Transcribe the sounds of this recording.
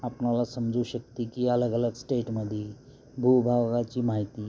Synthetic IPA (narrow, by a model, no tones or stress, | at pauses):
apnalasəmd͡zuːɕək̚t̪ikiələɡələɡsʈeʈməd̪ʱi | bʱubʱaʋɡat͡ɕiːmaɦit̪iː